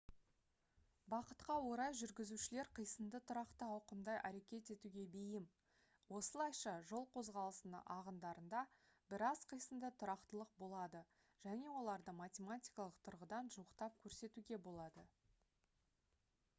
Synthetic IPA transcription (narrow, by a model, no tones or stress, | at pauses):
bɑqət̪qɑwo̞ɾɑjʒʏɾɡʲɪzuʃɪle̞ɾqʰijsəmd̪ət̪ʰʊɾɑqt̪əɑwqəmd̪ɑjʔæ̰ɾe̞kʲe̞t̪e̞t̪uɡʲe̞bejɪm | wo̞səlˠɑjʃɑʒo̞lˠqʰo̞zʁɑlˠəsənə̰ʔɑʁənd̪ɑɾənd̪ɑbɪɾɑzqʰəjsəmd̪ət̪ʰʊɾɑqt̪əlˠəq̚bo̞lˠɑd̪ə | ʒ̥æne̞wo̞lˠɑɾd̪əmatʲe̞mat̪ʲijkɑlˠəqt̪ʰʊɾʁəd̪ɑnʒuəqt̪ɑp̚kʲʰɵɾse̞t̪uɡʲe̞bo̞lˠɑd̪ə